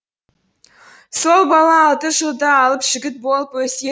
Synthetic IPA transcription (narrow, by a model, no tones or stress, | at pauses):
so̞lˠbɑlˠɑːlˠt̪əʒəlˠd̪əɑlˠəpʒ̥ɪɡʲɪt̪̚bo̞lˠəpwɵse